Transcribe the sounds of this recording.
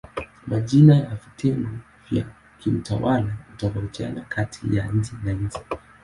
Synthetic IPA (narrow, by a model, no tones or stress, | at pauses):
maʄinajavitʰɛŋɡɔ | vja | kim̩tawalautakaut͡ʃa̰nakʰatʰijaɲ̩d͡ʒɛnaɲ̩d͡ʒi